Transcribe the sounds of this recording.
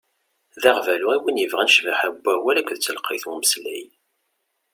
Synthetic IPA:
ðæʁvæluʁiwinjəvʁænəʃvaħæbːæwælækʷðt͡sːəlqːiθuməslæj

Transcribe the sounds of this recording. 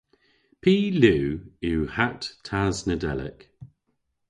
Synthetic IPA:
pʰiːlʉːuːhatʰaznədɛ̰lɪ̰k

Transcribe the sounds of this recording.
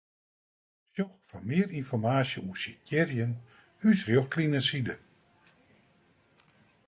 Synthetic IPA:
sjɔxfamɪəɾinfɔrmaːsjəusicɪrjən | ysrjɔxklinəsidə

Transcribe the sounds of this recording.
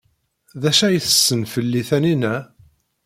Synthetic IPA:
ðæʃæjθə̥sːənfəlːiθæninæ

